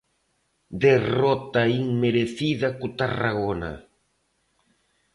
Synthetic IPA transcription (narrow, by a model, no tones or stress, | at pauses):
d̪erɔt̪aiŋmeɾeθiðɐkʊt̪ara̰ɣona̰